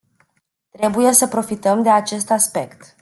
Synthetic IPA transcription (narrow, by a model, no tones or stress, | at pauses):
t̪ɾe̞buje̞səpɾo̞fit̪əmd̪e̞at͡ʃe̞st̪aspe̞kt̪